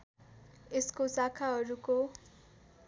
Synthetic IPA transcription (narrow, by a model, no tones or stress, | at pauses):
eskosakʰaɦʌɾuko